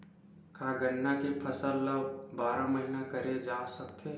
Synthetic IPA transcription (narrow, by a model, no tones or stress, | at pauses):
kʰaːɡənːakepʰɐsəlɐb̚baːɾamɐɦinakɐɾed͡ʒaːsɐk̚t̪ʰe